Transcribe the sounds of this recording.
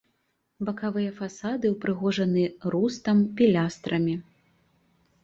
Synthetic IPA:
bɐkavɨjɐfasad̪ɨwpɾɨɣɔʐɐnɨɾust̪ɐmpʲilʲast̪ɾʔɐmʲi

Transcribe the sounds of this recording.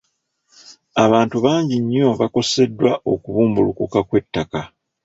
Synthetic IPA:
aβaːntuβaːɲɟiɲːo̞βako̞se̞dːwaʔo̞kuβuːmbulukukakwe̞tːaka

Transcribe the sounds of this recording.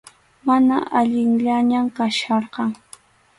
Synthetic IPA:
manaʔaʎɪŋʎaɲamkaʃɑɾqɑŋ

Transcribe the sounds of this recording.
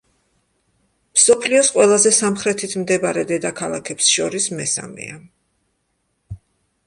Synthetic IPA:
msɔpʰliɔsqʼwɛlˠazɛsamχɾɛt̪ʰit̪ʰmd̪ɛbaɾɛd̪ɛd̪akʰalˠakʰɛpsʃɔɾismɛsa̰mɛ̰a

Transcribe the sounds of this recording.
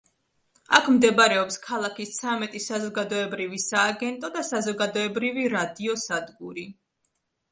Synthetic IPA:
akʰmd̪ɛbɾɛɔpskʰalˠakist̪sʰamɛt̪ʼisazɔɡad̪ɔɛbɾivisaːɡɛnt̪ʼɔd̪asazɔɡad̪ɔɛbɾiviɾad̪iɔsad̪ɡuɾi

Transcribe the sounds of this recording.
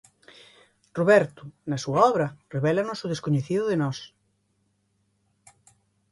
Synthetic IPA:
roβɛɾt̪ʊnɐsuaɔβɾɐreβɛlɐnʊsʊð̞eskoɲeθiðʊðenɔs

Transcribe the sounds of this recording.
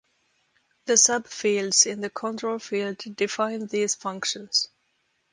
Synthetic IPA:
ðɨsʌb̥filˠdz̥ɪ̃nðɨkʰə̃ntʰɹ̥oʊlˠfilˠddɨfãɪ̃nðiːz̥fʌ̃ŋkʃɨ̃nz̥

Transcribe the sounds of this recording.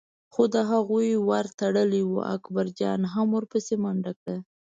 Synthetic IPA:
xod̪əɦaɣujwaɾt̪aɽəliwṵʔa̰kbaɾd͡ʒɑ̰nɦamwuɾpəsemaɳɖakɽə

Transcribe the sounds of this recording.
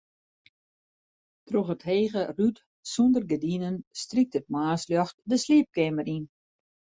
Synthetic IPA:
troxətheːɣəryt | sondərɡədinənstrik̚tət̚maːsljɔxt̚dəsliəp̚kɪməɾin

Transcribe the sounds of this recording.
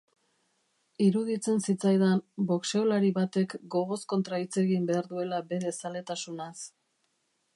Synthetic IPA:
iɾuðit͡se̞nsit͡sajðanbo̞kse̞olaɾiβat̪e̞kɡo̞ɣo̞sko̞nt̪ɾait͡se̞ɣimbe̞aɾðue̞labe̞ðe̞sale̞t̪asunas

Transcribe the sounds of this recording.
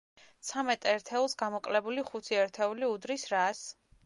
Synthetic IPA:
t̪sʰamɛt̪ʼɛɾt̪ʰɛulˠsɡamɔkʼlɛbuliχut̪ʰiɛɾt̪ʰɛuliud̪ɾisɾas

